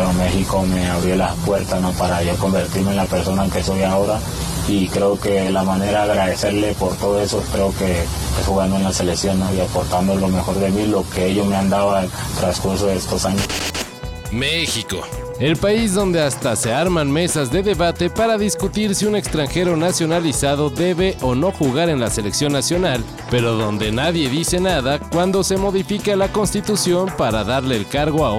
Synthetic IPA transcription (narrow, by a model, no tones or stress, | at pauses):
ome̞xiko̞me̞aβɾjo̞lapwe̞ɾt̪asnopaɾaʝo̞ko̞mbe̞ɾt̪iɾmeenlape̞ɾso̞nake̞so̞jaoɾa | ikɾe̞oke̞lamane̞ɾaaɣɾaðe̞se̞ɾle̞poɾt̪o̞ðoe̞sokɾeoke̞ | pesxuɣand̪oenlase̞leksjo̞nːoiapoɾt̪and̪olo̞me̞xo̞ɾðe̞milo̞keeʝomeand̪aβat̪ɾaskuɾsoðeest̪o̞saɲos | mexiko̞̰ | e̞lpaizðo̞nd̪e̞ast̪ase̞aɾmanme̞sazðe̞ðe̞βat̪e̞paɾaðiskut̪iɾsiune̞kst̪ɾaŋxe̞ɾo̞nasjo̞nalisaðo̞ðe̞βeʔo̞no̞xuɣaɾe̞nlase̞leksjo̞nːasjo̞nal | pe̞ɾo̞ðo̞nd̪e̞naðje̞ðise̞naðakwand̪o̞se̞mo̞ðifikalako̞nst̪it̪usjo̞mpaɾaðaɾle̞ːlkaɾɣo̞a